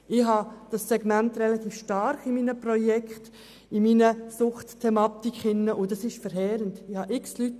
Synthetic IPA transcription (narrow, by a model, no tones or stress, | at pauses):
ɪhɑd̥ɑsːɛɡmæntrɛlɑtiːfʃtɑɾχɪmiːnəprɔjɛkχt | ɪmiːnəsʊχttʰːɛmɑːtikχɪnːəʔʊdɑsɪʃfɛɾɦɛːɾəntɪhɑʔɪkslyt